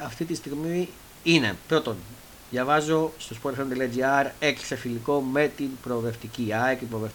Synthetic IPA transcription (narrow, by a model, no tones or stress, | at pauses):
ɐft̪it̪ist̪iɣmi | ine̞pɾo̞t̪o̞n | ðjɐvɐzo̞st̪o̞spoɾfont̪eliɐd͡ʒiɐɾeksefiliko̞me̞t̪inpɾo̞ve̞ft̪iciɐekipɾovef